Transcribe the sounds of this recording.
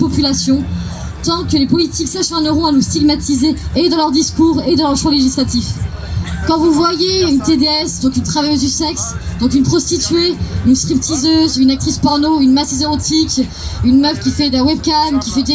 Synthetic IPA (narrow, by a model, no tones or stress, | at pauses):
pɔpylasjɔ̃ | t̪ɑ̃kəlepɔlit̪iksaʃɛ̃nəʁɔ̃anust̪iɡmat̪izeːd̪ɑ̃lœʁd̪iskuːʁed̪ɑ̃ləʁʃwaleʒislat̪if | kɑ̃vuvwajeynt̪ed̪eɛsd̪ɔ̃kynt̪χavajøzd̪ysɛksd̪ɔ̃kynpχɔst̪it̪ɥeynskχip̚t̪ʰizøzynak̚t̪χispɔʁnoynmasizeʁot̪ʰik | ynmœfkʲifɛd̪ɛ̃wɛbkamkʲifɛd̪